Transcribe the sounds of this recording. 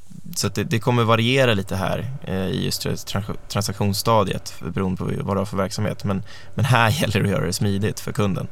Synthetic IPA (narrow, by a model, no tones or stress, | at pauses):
sat̪̚d̪ɛd̪ɛkʰɔmːəɾvaɾɪeːɾaliːt̪əɦæ̰ːɾɪ̰jɵ̰st̪ʰt̪ʰːɾat̪ʰɾansakɧuːnst̪ɑːd̪jə̰t̪bɛɾuːənd̪əpʰɔvad̪haɾfœɾvæɾksamhḛːt̪mɛn | mɛnɦæːjɛlːəɾɔjœ̰ːɾa̰d̪ɛsmiːd̪ɪt̪fœɾkʰɵnd̪ə̰n